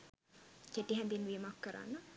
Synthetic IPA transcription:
keʈːiɦænd̪inʋimakːəɾa̰nːə

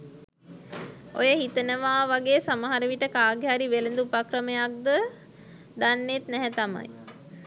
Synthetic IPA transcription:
ojəɦit̪ənəʋaːʋaɡeːsaməɦaɾəʋiʈəkaːɡjaːɾiʋelənd̪uːpakɾəməjak̚d̪ə | d̪anːet̪nɛɦɛt̪ama̰j

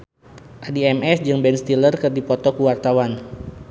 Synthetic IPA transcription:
ʔadiɛmɛsd͡ʒɨŋbɛnst̪ilərkɨrdipɔt̪ɔkuwart̪awan

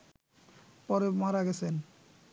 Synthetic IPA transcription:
pɔɾemaɾaɡɛt͡ɕʰen

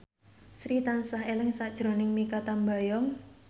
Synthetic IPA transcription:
sɾit̪ansaɦelɪŋsad̥ʒ̥ɾo̤nɪŋmikat̪ambajɔŋ

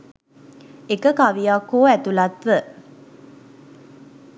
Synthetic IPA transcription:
ekəkaʋijakːoːæt̪ulat̪ʋə

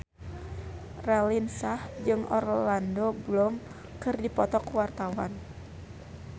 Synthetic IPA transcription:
ralinsahd͡ʒɨŋɔ̰rlandoblɔm | kɨrdipɔt̪ɔkwart̪awa̰n

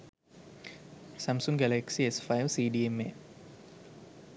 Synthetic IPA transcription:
samsuŋɡæleksiesfajʋsiːɖiemːḛ

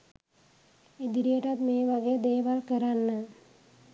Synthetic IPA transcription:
id̪iɾijəʈat̪meːʋaɡed̪eːʋalkəɾanːə

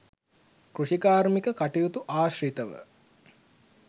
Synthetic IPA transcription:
kruʃikaːɾmikəkaʈijut̪uʔaːʃrit̪əʋə̰

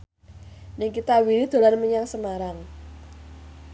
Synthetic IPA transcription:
nɪŋkit̪awiɾid̪̥o̤lanməɲaŋsəmaɾaŋ

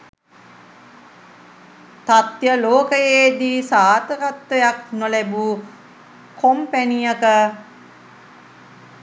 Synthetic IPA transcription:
t̪at̪jəloːkəjeːd̪iːsaːt̪əɾat̪ʋəjak̚nolæbuː | kʰompænijəkə

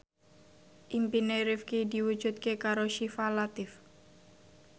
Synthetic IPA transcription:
ʔimpineɾɪfkid̪iwu̥d͡ʒ̥ut̪̚kekaɾoʃifalat̪ɪf

